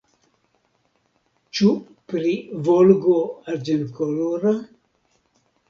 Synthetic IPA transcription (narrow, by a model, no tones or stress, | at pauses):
t͡ʃu | pɾivolɡoaɾd͡ʒenkoloɾa